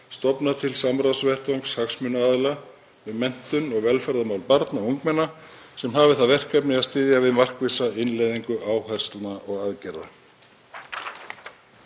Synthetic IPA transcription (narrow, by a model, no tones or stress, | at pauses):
st̪ɔpnat̪ʰɪlsamɾawsvɛr̥t̪owŋkshaxsmʏnaaːðla | vɪðmɛn̥t̪ʏnɔɣvɛlfɛɾðamawlpaɾt̪nauŋkmɛnːasɛmɦaːvɪθaðvɛr̥kʰɛpnɪaðst̪ɪːðjavɪðmar̥kvisaɪnlejðiŋkʏʔaːwhɛst̪lnaʔɔɣaðcɛɾða̰